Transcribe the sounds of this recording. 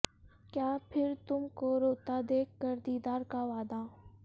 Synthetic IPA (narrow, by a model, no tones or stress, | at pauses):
kjaːpʰɪɾt̪ʊmkoɾoːt̪ad̪eːkːəɾd̪iːd̪aːɾkaʋaːd̪aː